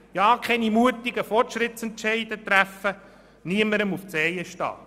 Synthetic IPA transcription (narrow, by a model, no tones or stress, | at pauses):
jɑːkʰɛnimuətiɡ̥əfɔrtʃɾɪtt͡sɛntt͡ʃɛɪd̥̪ət̪ɾæfə | niəməɾəmuft͡sɛjəʃtɑ̰ː